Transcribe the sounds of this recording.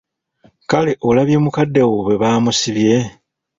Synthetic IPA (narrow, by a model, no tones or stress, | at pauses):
kaleʔo̞laβje̞mukadːawoβe̞βaːmusiβje̞